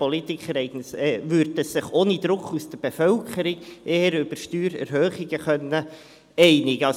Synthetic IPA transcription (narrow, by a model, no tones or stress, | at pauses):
polit̪ɪkχəɾɛɪɡ̥ənsɛvʏɾdəsɪχoːnid̥̪ɾʊkusd̥əɾb̥efœlkʰəɾiɡʔeːəɾʏb̥əɾʃtyːɾɛ̰ɾhøːχɪɡəχœnːə | ɛɪnɪɡ̥əɑ